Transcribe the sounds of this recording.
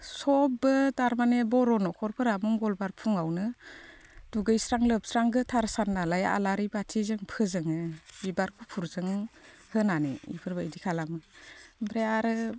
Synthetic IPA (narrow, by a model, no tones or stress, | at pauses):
sɔbbɯtaɾmanebɔɾɔnɔkʰɔɾpʰɯɾamuŋɡɔlbaɾpʰuŋawnɯ | d̥uɡɯjsɾaŋlɯp̚sɾaŋɡɯtʰaɾsanːalaja̰laɾibatʰizɯŋpʰɯzɯŋɯbibaɾkʰupʰuɾzɯŋ | hɯnanɯ̰ḭpʰɯɾbaidikʰalamɯbɾeaɾɯ